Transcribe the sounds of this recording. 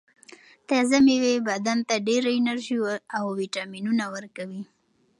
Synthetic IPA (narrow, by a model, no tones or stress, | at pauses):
t̪ɑzamewebad̪ant̪aɖeɾaɪnaɾʒiawwiʈɑminunawəɾkawi